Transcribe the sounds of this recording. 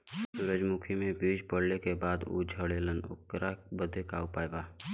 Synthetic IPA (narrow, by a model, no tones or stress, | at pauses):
sʊɾəd͡ʒmukʰimẽbiːd͡ʒpəɽ̤lekebaːd̪ṵːd͡ʒʱəɽeːlənʊ̰kɾabəd̪ʱekaːupaːjbaː